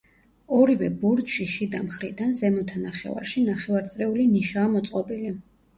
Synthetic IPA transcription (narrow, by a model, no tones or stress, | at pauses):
ɔɾivɛbɔɾd̪ʃiʃid̪amχɾḭd̪anzɛmɔt̪ʰanaχɛ̰va̰ɾʃinaχɛvaɾt̪sʼɾɛuliniʃaːmɔt̪sʼqʼɔbili